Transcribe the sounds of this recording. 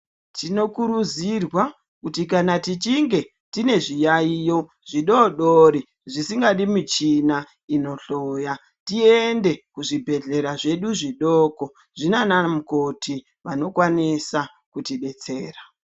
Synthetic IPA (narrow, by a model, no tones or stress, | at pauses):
tino̞kuɾud͡zirwa | kutikanatit͡ʃiŋɡe̞ | tine̞ʐijaijo̞ | ʐ̥iɗo̞ɗoɾi | ʐisiŋɡaɗimit͡ʃina | ino̞ɬoːja | tiende̞kuʐibʱe̞ɮe̞ɾaʐe̞ɗuʐiɗoko̞ | ʐinanamuko̞tʰi | ʋano̞kwanisa | kutiɓe̞t͡se̞ːra